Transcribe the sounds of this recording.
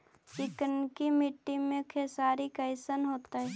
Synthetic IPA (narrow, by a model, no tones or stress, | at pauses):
t͡ʃɪkənkimɪʈːimẽkʰesaːɾikɐɪsənɦoːt̪aɦɛː